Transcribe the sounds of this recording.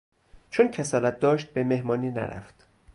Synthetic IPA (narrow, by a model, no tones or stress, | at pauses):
t͡ʃʰoncʰe̞sɒːlæt̪̚ʰd̪ɒːʃt̪̚beme̞hmɒːniːnæ̰ɾæ̰ft̪